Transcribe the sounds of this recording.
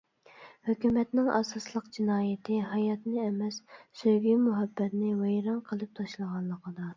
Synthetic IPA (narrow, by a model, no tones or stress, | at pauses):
høkʲymɛt̪nɪŋʔɑ̰sɑslˠəqd͡ʒinɑːjɪt̪ʰɪɦɑjɑt̪nɪɛmɛssøɡʲymuɦɑbːɛt̪nɪwɛjɾɑŋqʰəlˠɨp̚t̪ʰɑʃlˠəʁɑnːˠəqʰəd̪ɑ